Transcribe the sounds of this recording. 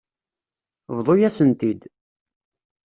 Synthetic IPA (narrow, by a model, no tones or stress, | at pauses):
vðˤojæsənt̪id̪